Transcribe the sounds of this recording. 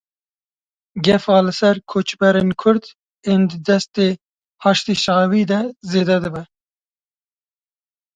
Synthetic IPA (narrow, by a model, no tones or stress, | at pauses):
ɡɛfɑːlɨsɛɾkʰoːt͡ʃbɛɾeːnkʰʊɾd̪ | eːnd̪ɨd̪ɛst̪eː | hɑːʃt̪iʃɑːwiːd̪ɛzeːd̪ɛd̪ɨbɛ